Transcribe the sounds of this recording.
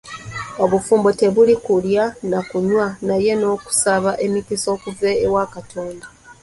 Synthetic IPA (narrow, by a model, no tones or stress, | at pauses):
o̞βufuːmbo̞te̞βulikuljanakuɲwanaje̞no̞ːku̥saβaʔe̞mikiso̞ːkuve̞ːwakatʰo̞ːnda